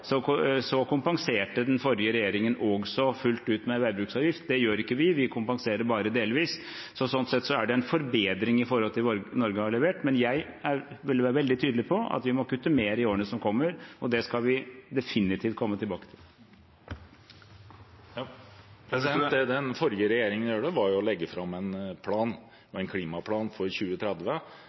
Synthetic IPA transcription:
sɔsɔkʊmpɑŋseːʈəd̪ɛnfɔɾjəɾɛjeːɾɪŋənɔɡsɔfʉlt̪ʉːt̪mɛʋæɪbɾʉːksɑːʋjɪft̪̚d̪ɛjøːɾɪkːəʋɪʋɪkʰʊmpɑŋseːɾəbɑːɾəd̪eːlʋiːs | sɔsɔnt̪sɛt̪ːsɔæɖɛɛnfɔɾbeːd̪ɾɪŋɪfɔɾhɔlt̪ʰɪlɔnɔɾɡəhɑɭɛʋeːʈmɛnjæɪ | æɾʋɪlʋæːɾəʋɛld̪ɪt̪ʰyːd̪əlɪpʰɔʔɑ̰t̪ʋɪmɔkʉt̪ːəmeːɾəɪoːɾənəsɔmkʰɔmːəɾɔd̪ɛskɑlʋɪd̪ɛfɪnːɪt̪ʰiːft̪̚kʰɔmːət̪ʰɪlbɑːkə̥t̪ʰɪl | d̪ɛnfɔɾjəɾɛjeːɾɪŋənjuːɖəʋɑɾjʊɔlɛɡːəfɾɑmːɛnpʰlɑːn | ɔɛnkʰliːmɑpʰlɑːnfɔɾɕʉːət̪ʰɾɛd̪ʋə

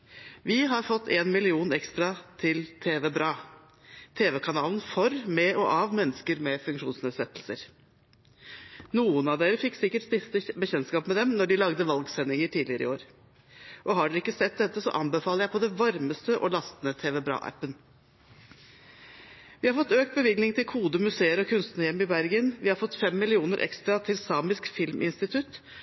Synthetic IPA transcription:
ʋɪɦɑɾfɔt̪ːeːnmɪlɪuːnɛkst̪ɾɑt̪ʰɪlt̪ʰeːʋɛbɾɑː | t̪ʰeːʋɛkʰɑnɑːlənfɔɾmɛʔɔʔɑʋmɛnːəskəɾmɛfʉŋkʂuːnsneːd̪sɛt̪ːl̩səɾ | nuːənɑʋd̪eːɾəfɪkːsɪkːəʈst̪ɪst̪əbəçɛnskɑːpmɛd̪ɛmnɔɖɪlɑɡd̪əʋɑlɡsɛnːɪŋəʈʰiːd̪lɪəɾɪ̰oːɾ | ʔɔɦɑɖɛɪkːəsɛt̪̚d̪ɛt̪ːəsɔ̰ʔɑmbəfɑːləɾjæɪpʰɔd̪ɛnʋɑɾməst̪əʔɔ̰lɑst̪nət̪ʰeːʋɛbɾɑ̰ːʔæ̰pːən | ʋɪhɑɾfɔt̪ːøːk̚t̪̚bəʋɪɡnɪŋt̪ʰɪlkʰuːd̪əmʉseːəɾɔkʰʉnst̪nəjɛmːɪbæɾɡənʋɪhɑɾfɔt̪ːfɛmːɪlɪuːnəɾʔɛ̰kst̪ɾɑt̪ʰɪlsɑːmɪskfɪlmʔɪ̰nst̪ɪt̪ʰʉt̪

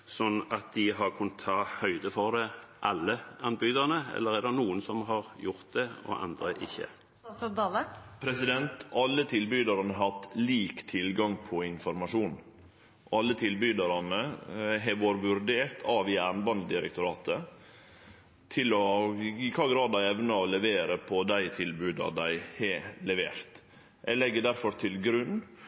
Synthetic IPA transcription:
sɔnːɑt̪̚d̪ɪɦɑʁkʰʉnːət̪ʰːɑːhœʏd̪əfɔʁd̪ɛʔɑlːəɑnbyːd̪ɑʁnəɛ̰lːəɾɛd̪ɛnuːənsɔmɦɑʁjʊɾt̪̚d̪ɛɔ̰ʔɑ̰nd̪ɾəʔɪ̰çːə̰ | d̪ɑləpʰɾɛsɪd̪ɛnt̪ʔɑlːət̪ʰɪlbyd̪ɑɾɑnəɦɑt̪ːliːkt̪ʰɪlɡɑŋpʰɔɪnfɔɾmɑʂuːn | ɑlːət̪ʰɪlbyːd̪ɑɾɑnəɦɛʋoːɾʋʉɾd̪eːɾt̪ʰɑʋɪæːɾnbɑnd̪ɪɾə̰k̚t̪ʊɾɑːt̪ə | t̪ʰɪlɔikʰɑːɡɾɑːd̪æɪɛʋnɑɔlɛʋeːɾəpʰɔd̪æɪt̪ʰɪlbʉːd̪ɑ̰d̪æɪhɛlɛʋeːɾt̪ | ʔɛlɛɡːəɖ̪æɾfɔɾt̪ʰɪlɡɾʉn

